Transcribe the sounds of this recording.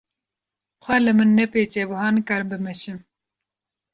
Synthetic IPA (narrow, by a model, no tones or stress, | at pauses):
xʷɛlɨmɨnːɛpeːt͡ʃebuhɑːnɨkɑɾɨmbɨmɛʃɨm